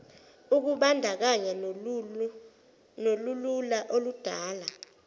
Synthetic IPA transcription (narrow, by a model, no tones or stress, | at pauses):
uk̬uɓandʱak̬aɲa | nolululaʔolud̥ʱaːla